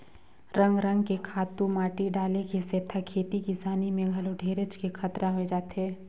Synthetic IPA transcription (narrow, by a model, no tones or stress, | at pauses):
ɾɐ̃ŋɡɾə̃ŋɡkekʰaːt̪ũmaːʈiɖaːlekeseːt̪ʰakʰeːt̪ikisaːnimẽɡʱɐloɖʱeːɾət͡ʃkekʰɐt̪ɾaɦoed͡ʒaːt̪ɦɛː